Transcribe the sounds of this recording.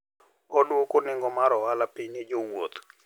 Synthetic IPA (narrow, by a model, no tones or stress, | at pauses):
odwokʊnɪŋɡɔmaɾɔwalapiɲed͡ʒoŋwo̰t̪o̥